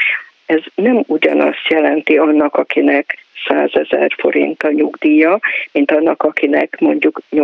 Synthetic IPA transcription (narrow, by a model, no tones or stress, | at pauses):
ɛznɛmuɟɒ̰nɒ̰st̪jɛlɛnt̪iɒnːɒkɒkinɛksaːzɛzɛ̰rfo̞̰ɾḭnt̪ɒɲuɡd̪iːjɒmint̪ɒnːɒkɒkinɛkmo̞ɲɟukɲo